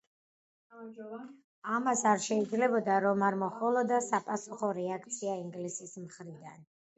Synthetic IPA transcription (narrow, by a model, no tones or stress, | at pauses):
amasaɾʃɛid̪zlɛbɔd̪aɾɔmaɾmɔχɔlˠɔd̪asapʼasuχɔɾɛak̚ʰt̪sʰiaiŋɡlisismχɾid̪a̰n